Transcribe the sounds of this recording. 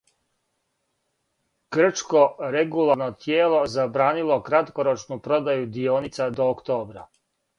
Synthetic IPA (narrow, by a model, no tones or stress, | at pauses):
ɡ̥r̩t͡ʃko̞ɾeɡulˠaɾnot̪jeːlˠo̞zabɾaːnilˠo̞kɾat̪ko̞ɾo̞t͡ʃnupɾo̞d̪ajud̪ioːnit̪sad̪oːkt̪o̞ːbɾa̰